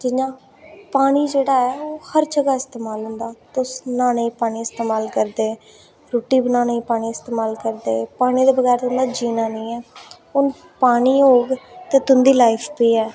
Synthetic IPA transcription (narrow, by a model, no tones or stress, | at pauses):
d͡ʒɪɲãː | paːɽ̃iːd͡ʒeːɽaːɛːoːhəɾd͡ʒəɡaːɪst̪eːmaːlɦʊ̃nd̪aːt̪ʊsnaːnəĩːpaːɽ̃iːɪst̪eːmaːlkəɾd̪eː | ɾoːʈiːbənaːneĩːpaːɽ̃iːɪst̪eːmaːlkəɾd̪eːpaːɽ̃iːd̪eːbəɡɛːɾt̪ʊ̃nd̪aːd͡ʒiːnaːnə̃ĩːɛː | ʊn | paːɽ̃iːɦoːɡt̪ẽːt̪ʊnd̪iːlaːipʰpiːɛː